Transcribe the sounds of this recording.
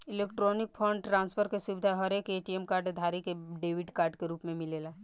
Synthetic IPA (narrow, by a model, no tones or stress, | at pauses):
ɪleːkʈɾɔːnɪk̚pʰɔ̃ɳɖʈɾãːnspʰəɾkesʊbɪd̪ʱaɦɐɾeːkeːʈiɛmkaːɾɖd̪ʱaːɾikeɖeːʋɪɖkaːɾɖkeɾuːpmẽmɪleːlaː